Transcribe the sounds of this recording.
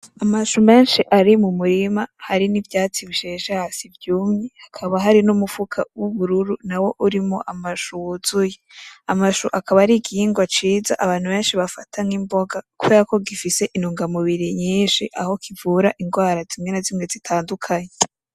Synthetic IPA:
amaʃume̞ːnʃiʔaɾimumuɾimahaɾinivjaːt͡siβiʃeʃehasivjuːmɲehakʰaβaɦaɾinumufukʰa̰wuβuɾuɾunawo̞ʔuɾimoʔamaʃuwuzujeamaʃuʔakaβaɾiɡiiːŋɡwat͡ʃiːza̰ʔaβaːn̥huβe̞ːnʃiβafatʰaŋimbo̞ɡakuβe̞ɾako̞ɡifise̞ʔinuːŋɡamuβiɾiɲiːnʃiʔaho̞kʰivuːɾaʔiŋɡwaːɾazimŋenazimŋezitʰaːndukʰaɲe

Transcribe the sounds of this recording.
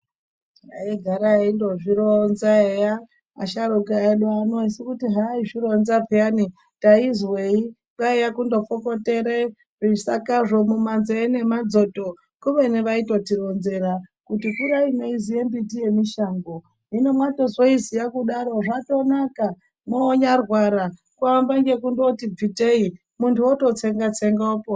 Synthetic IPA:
aiɡʱaɾaindo̞ʐiɾonzaeja̰ː | ʃaɾukiaeɗwaanosikutiɦaiʐiɾonzapeani | taizwei | kaijakundofoko̞te̞ɾe | risakaʐo̞mumanzoene̞mad͡zo̞to | kuʋeneʋaito̞tiɾo̞nze̞ɾakutikuɾaineizije̞mbitije̞miʃaːŋɡo | ɦino̞mwato̞zoizijakuɗaɾo̞ʐato̞naka | moːɲarwaɾa | kuambaŋɡe̞kundo̞tib͡vitei | muntʰuwoto̞t͡seŋɡat͡seŋɡopo

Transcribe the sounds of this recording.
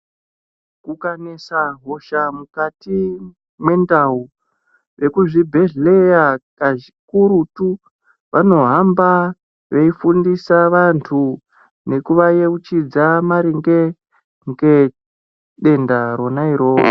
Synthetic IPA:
kukanesaɦo̞ʃamukati | mwe̞ndau | ʋe̞kuʐibʱe̞ɮle̞jakaʐikuɾutu | ʋano̞ɦamba | ʋe̞ifundisaʋantʰu | ne̞kuʋajeut͡ʃid͡zamaɾiŋɡe̞ | ŋɡe̞ | ɗe̞ndaɾo̞naiɾoːo̰

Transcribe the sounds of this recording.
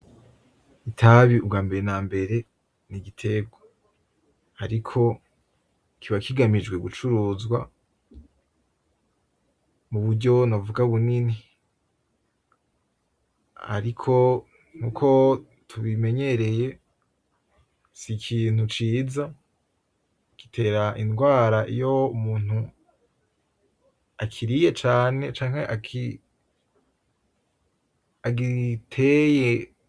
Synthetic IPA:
itʰaβiubɡaːmbe̞ɾenaːmbe̞ɾe̞ | niɡitʰe̞ɡwo | haɾikʰo̞ | kʰiβakiɡamid͡ʒɡwe̞ɡut͡ʃuɾuːzɡwa̰ | muβudɟo̞novuɡaβunini | ha̰ɾikʰo̞ | ŋ̥uːkʰo̞ | tʰuβime̞ɲe̞ɾe̞je̞ | sikʰiːn̥hut͡ʃiːza | kitʰe̞ːɾaʔinɡwaːɾaʔḭjo̞umuːn̥u | akʰiɾije̞t͡ʃaːne̞t͡ʃaːŋ̥he̞ʔakʰi | aɡitʰe̞je

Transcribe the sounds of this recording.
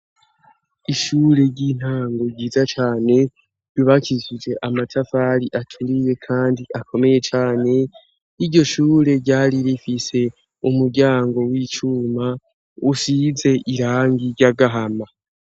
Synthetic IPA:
iʃuːɾe̞ɟiːn̥haːŋɡo̞ɟiːzat͡ʃaːne̞ | iβacʰizid͡ʒe̞ʔamatʰafaɾiʔatʰuɾije̞kʰaːndiʔakʰo̞me̞je̞t͡ʃaːne̞ | iɾɟo̞ʃuːɾe̞ɟaːɾiɾifise̞ | umuɾɟaːŋɡo̞wiːt͡ʃuːma | usize̞ʔiɾaːŋɡiɾɟaɡaɦama

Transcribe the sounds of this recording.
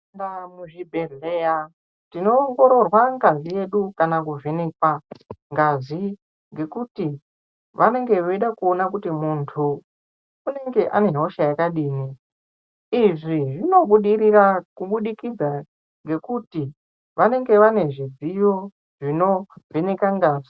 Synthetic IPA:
damuʐibʱe̞ɮeja | tino̞ːŋɡo̞ɾo̞rwaŋɡazije̞ɗukanakuvenekwaŋɡazi | ŋɡe̞kuti | ʋane̞ŋɡe̞ʋoiɗakuonakutimuntʰuː | ne̞ŋɡe̞ʔa̰ne̞ɦoʃajakaɗiːni | iʐiʐino̞ɓuɗiɾirakuɓuɗikid͡za | ŋɡe̞kuti | ʋane̞ŋɡe̞ʋane̞ʐid͡zijo | ʐino̞ve̞nekaŋɡazi

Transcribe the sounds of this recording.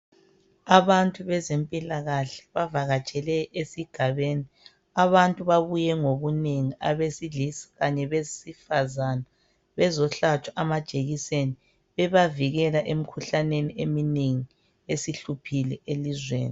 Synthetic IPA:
aβantʼuβɛzempʼilaɣaɬɛ̥βavaɣat͡ʃʼɛlɛʔesiɡ̥ʱaβeːni | aβantʼuβaβujɛŋoβuneŋiaβesilisi̥ɣaɲɛβezisifazana | βɛzɔɬat͡ʃʰwaʔamad̥ʒ̥ʱeɣiseni | βɛβaviɣɛlaʔem̩kʰuɬaneniʔemineŋi | esiɬupʰilɛelizwḛːni

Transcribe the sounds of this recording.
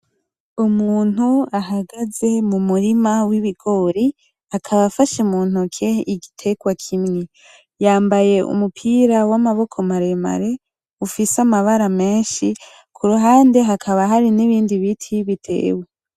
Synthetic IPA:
umuːn̥huaɦaɡaze̞mumuɾimawiβiɡo̞ːɾi | akʰaβafaʃemuːn̥hukʰe̞iɡitʰe̞ɡ̥wakʰimŋe | jaːmbaje̞ʔṵmupʰiɾawamaβo̞kʰo̞maɾe̞ma̰ɾe̞ | ufisamaβaɾame̞ːnʃi | kʰuɾuɦaːnde̞ɦakʰaβaɦaɾiniβiːndiβitʰiβitʰe̞̰ːwe

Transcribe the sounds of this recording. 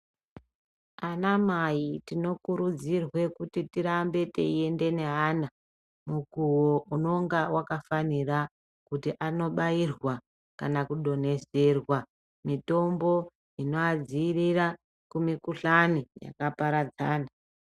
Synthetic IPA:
anamajitino̞kuɾud͡zirwe̞kutitiɾambe̞tḛie̞nde̞ne̞ɦana | mukuwouno̞ŋɡawʔakafanira | kutiʔano̞ɓairwa | kanakuɗo̞ne̞zerwa | mito̞mbo̞ | ino̞ad͡ziːrira | kumikuɬanija̰kapaɾad͡zaːna

